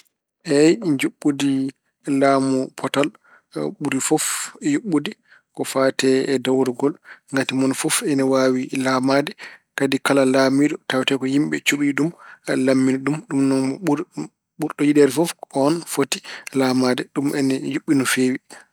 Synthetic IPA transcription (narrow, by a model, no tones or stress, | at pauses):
ʔɛjɲd͡ʒuɓːudi | lamɔpʰɔtal | ɓuɾifɔfjuɓːudi | kɔfatɛːdawɾɔɡɔlŋɡatimɔnfɔfɛnɛwawilamadɛkadikalalamidɔtawtɛkɔhimɓɛ̰t͡ʃuɓiɗumlamːiniɗumɗumnɔn | ɓuɾɗɔjidɛɾɛfɔfɔnfotilamadɛɗumʔɛnɛjuɓːinɔfeːwi